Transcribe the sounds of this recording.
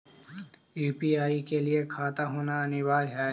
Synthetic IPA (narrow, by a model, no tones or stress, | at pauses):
juːpiːaːikelɪekʰaːt̪aɦoːnaɐnɪʋaːɾɦɛː